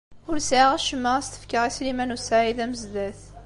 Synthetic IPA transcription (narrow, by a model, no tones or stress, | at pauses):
ʊɾsʕaʁæʃəmːəʁæst̪ə̥fkəʁislimænusaʕiðæməzd̪æθ